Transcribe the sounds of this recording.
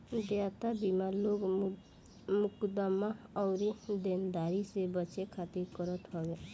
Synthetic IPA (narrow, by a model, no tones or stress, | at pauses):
d̪jat̪abimaɾloɡ | mukd̪amaɔʊɾid̪end̪aɾisebət͡ʃekʰat̪iɾkəɾət̪ɦɔɡe